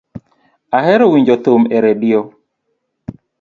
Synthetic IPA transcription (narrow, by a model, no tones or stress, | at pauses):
ahɛɾɔwiɲd͡ʒɔt̪omɛɾedɪo